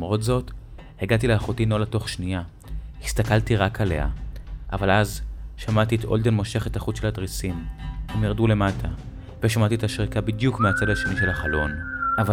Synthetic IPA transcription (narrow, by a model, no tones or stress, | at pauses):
mʁo̞tzo̞t | heɡat̬ileaχotinolato̞χʃnia | hist̪akaltiʁakʰale̞̰ha̰ʔa̰valazʃamatietʔo̞ldenmo̞ʃe̞χetaχut͡sʃelhadʁisimhemjaʁdule̞matʰa | veʃamat̪ietaʃʁikabidjukmeat͡sadaʃeniʃe̞lhaχalo̞nava